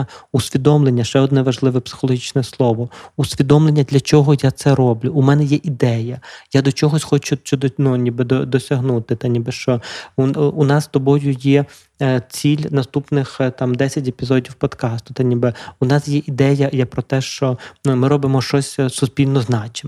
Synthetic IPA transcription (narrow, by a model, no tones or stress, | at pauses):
usʲʋʲid̪ɔmlˠenʲːɐʃt͡ʃɛɔd̪nɛʋɐʒlˠɪʋɛpsɪ̥xɔlˠɔɦʲit͡ʃnɛslˠɔʋɔusʲʋʲid̪ɔmlˠenʲːɐd̪lʲɐt͡ʃɔɦɔjat̪sɛɾɔblʲʊːmɛnɛjɛʔid̪ɛjɐjad̪ɔt͡ʃɔɦɔsʲxɔt͡ʃʊt͡ʃʲɔd̪nunʲibɪd̪ɔd̪ɔsʲɐɦnut̪ɪt̪ɐnʲibɪʃt͡ʃɔ | unɑst̪ɔbɔjʊjɛ | t͡sʲilʲnɐst̪upnɪxt̪ɑmd̪ɛsʲɐtʲepʲizɔdʲiwpɔd̪kɑst̪ʊ̥t̪ɐnʲibɪunɑsjɛʔid̪ɛjɐjɛpɾɔt̪ɛʃt͡ʃɔmɪɾɔbɪmɔʃt͡ʃɔsʲsʊsʲpʲilʲnɔznɑt͡ʃɪ